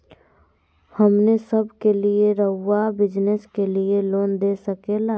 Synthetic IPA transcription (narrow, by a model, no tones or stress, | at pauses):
hɐmnesəbʱkelieɾəɦʊːabɪd͡ʒneskelieloːnd̪eːsəkeːlaː